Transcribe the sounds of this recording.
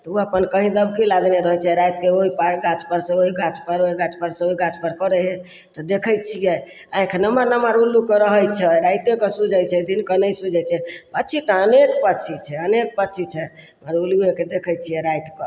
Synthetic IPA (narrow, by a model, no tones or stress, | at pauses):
t̪ɔuapənkəɦĩd̪əbkilad̪neɾəɦət͡ʃʰɛɾajt̪keoɦipaɾɡat͡ʃpəɾsẽoɦiɡat͡ʃpəɾoɦiɡat͡ʃpəɾsẽoɦiɡat͡ʃpəɾkəɾɛɦɛ | t̪ɔd̪ekʰəjt͡ʃʰijɛ | ãẽkʰnəmanəmaɾulukeɾəɦəjt͡ʃʰɛɾajt̪ekesud͡ʒəjt͡ʃʰɛd̪ʱinkənəjsud͡ʒʱɛt͡ʃʰɛpət͡ʃʰit̪əənekpət̪t͡ʃʰit͡ʃʰɛənek̚pətːt͡ʃʰit͡ʃʰɛ | maɾulueked̪ekʰət͡ʃʰijɛɾajt̪kə